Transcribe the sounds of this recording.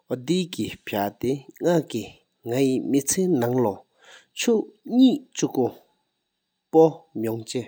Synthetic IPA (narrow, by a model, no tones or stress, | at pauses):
od̪ikipʰat̪eŋaki | ŋajimit͡sʰeːnaŋlɔ | t͡ɕʰuʔɲiːʔt͡ɕuko | pɔmɔŋt͡ɕe